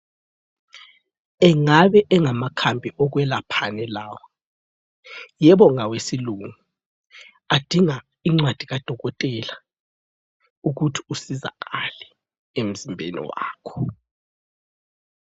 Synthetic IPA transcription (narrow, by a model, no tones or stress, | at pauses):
ɛŋaβɛʔɛŋamakʰambʱiʔɔɣ̬wɛlapʰanɛlaːwa | jɛβɔŋawesiluŋu | ad̥ʱiŋa | iŋ͡ǀwad̥ʱiɣad̥ʱɔɣɔtʼɛla | uɣutʰi̥usiza̰ɣalɛ | em̩zimbʱḛnḭwa̰ːkʰɔ̥